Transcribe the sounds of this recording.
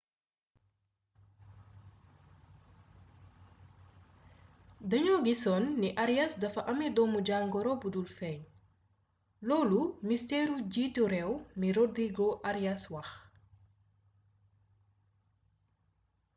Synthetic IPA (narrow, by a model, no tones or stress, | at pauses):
dɐɲɔɡisɔnːiʔaɾjasdɐfɐʔɐmɛdɔːmuɟaŋɡɔɾɔbudulfɛɲ | lɔːlumistɛːɾuɟiduɾɛwmiɾodiɡoʔaɾijaswɐx